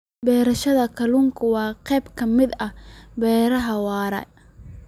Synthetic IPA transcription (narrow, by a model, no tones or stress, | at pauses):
bɛːɾɐʃɐðɐkʰɐluːŋkʰʊwɑːqɛjbkʰɐmɪd̪ɐbɛːɾɐɦɐwɑːɾɐ̰